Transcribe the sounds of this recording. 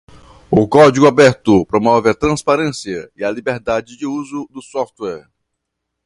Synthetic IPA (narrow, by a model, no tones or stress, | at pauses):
ʊkɔd͡ʒiɡʊabɛɾt̪ʊpɾomɔvɪɐt̪ɾɐ̃spaɾẽsiɐɪɐlibeɾd̪ad͡ʒɪd͡ʒɪuzʊd̪ʊsɔft̪wɛɾ